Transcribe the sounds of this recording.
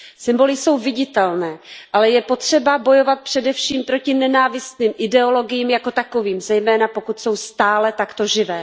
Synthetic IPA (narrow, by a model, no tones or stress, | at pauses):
sɪmbo̞lɪso̞wvɪɟɪt̪ɛlnɛːʔalɛjɛpo̞t̪r̝̥ɛbabo̞jo̞vat̪̚pr̝̥ɛdɛfʃiːmpɾo̞cɪnɛnaːvɪst̪niːmʔɪdɛo̞lo̞ɡɪjiːmjako̞t̪ako̞viːmzɛjmɛːnapo̞kut̪so̞wst̪aːlɛt̪akt̪o̞ʒɪvɛː